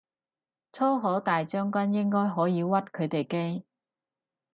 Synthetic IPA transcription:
t͡sʰɔː˥ɦɔː˨˥t̪aː˨jt͡sœː˥ŋkʷɐ˥njɪ˥ŋkɔː˥jɦɔː˨˥jiː˨˧wɐ˥t̚kʰɵ˨˧ɥt̪e˨jke˥j

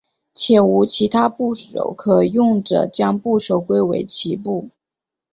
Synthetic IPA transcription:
t͡ɕʰjɛ˨˩u˧˥t͡ɕʰi˧˥t̪ʰa˥pu˥˩ʂo̰˨˩ʊkʰɤ˨˩jʊ˥˩ŋʈ͡ʂɤ̰˩t͡ɕjɑ˥ŋpu˥˩ʂo˨˩ʊkwe˥ɪwḛ˧˥ɪt͡ɕʰi˧˥pu˥˩

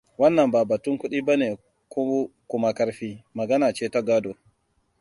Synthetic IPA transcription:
wɐ˦nːɐ˨mbaː˨ba˨tu˦ŋku˦ɗi˦ba˦ne˨ | ku˦kʊ˨ma˨kɐ˦ɾɸiː˦mɐ˨ɡɐ˦naː˨t͡ʃeː˦ta˦ɡaː˦do˨

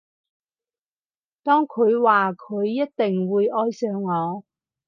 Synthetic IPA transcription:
t̪ɔː˥ŋkʰɵ˨˧ɥwaː˨kʰɵ˨˧ɥːɐ˥t̚t̪ɪ˨ŋwuː˨˧jʔɔː˥jsœː˨˧ŋːɔː˨˧

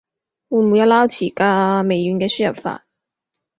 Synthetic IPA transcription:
wu˨˧˩mu˨˧jɐ˧˥laː˥wt͡sʰiː˨˩kaː˧me˨jy˨˧nkɛː˧syː˥jɐ˨p̚fa̰ː˧t̚

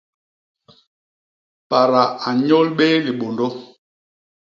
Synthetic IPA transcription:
pa˨ɾa˨a˨ɲo˦lɓe˦li˨ɓo˨ndo˦

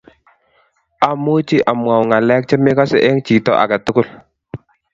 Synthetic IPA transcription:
a˨˦mu˦t͡ʃi˦ʔa˨mwa˨wŋa˨lɛ˦k̚t͡ʃɪ˦mɪ˦ka˦sɪ˦ʔɛ˦ŋt͡ʃi˨tɔ̰˨ʔa̰˨ka˨tʊ˦kʊ˦˨l

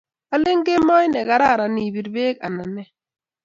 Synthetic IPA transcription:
a˦le˦ŋ˦ɡe˦mɔ˦jnɛ˨ɡa˨ɾa˦˨ɾa˨ni˨bi˨ɾbe˦ka̰˨na˨nɛ˦

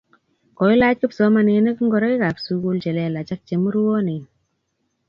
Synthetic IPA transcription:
kɔ˨i˦la˦t̚ki˦psɔ˨˦ma˨ne˨ne˦kŋɡɔ˨ɾɔ˦i˦ka˨psu˦ku˧lt͡ʃe˨lɛ˦la˨t͡ʃa˦k̚t͡ʃe˨mu˦ɾu˦wo˦ni˨n

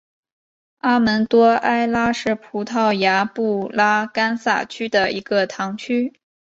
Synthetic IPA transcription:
a˥mə˧˥nt̪wɔ˥a˥ɪla˥ʂɻ̩˥˩pʰu˧˥t̪ʰɑ˥˩ʊja˧˥pu˥˩la˥ka˥nsa̰˥˩t͡ɕʰy˥d̪ə˨i˧˥ɡ̥ə˧t̪ʰɑ˧˥ŋt͡ɕʰy˥

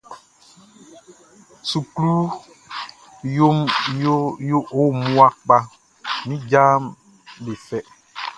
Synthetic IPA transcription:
su˨klu˦ | jo˦mjo˦jo˦ʔo˦mu˦a˦k͡pa˦ | mĩ˦d͡ʒa˦m | be˨fɛ˦

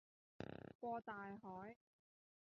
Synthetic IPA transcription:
kʷɔː˧t̪aː˨jɦɔː˨˥j

